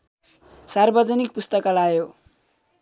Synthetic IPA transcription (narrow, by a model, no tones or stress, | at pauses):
sarbʌd͡zʌnik̚pust̪ʌkʌlajo